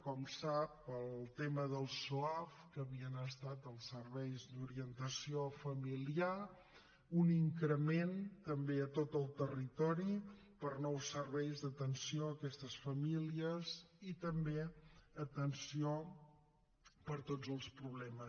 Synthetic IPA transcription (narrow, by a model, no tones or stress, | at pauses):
kɔmsapəlˠt̪eməðəlˠsuafkəβiənəst̪at̪əlˠsəɾβɛjzd̪uɾiənt̪əsiofəmilia | uniŋkɾəment̪əmbeət̪ot̪əlˠt̪ərit̪ɔɾi | pəɾnɔwsəɾβɛjzðət̪ənsioəkɛst̪əsfəmiliəzit̪əmbeət̪ənsio | pəɾt̪od͡zəlˠspɾuβlɛməs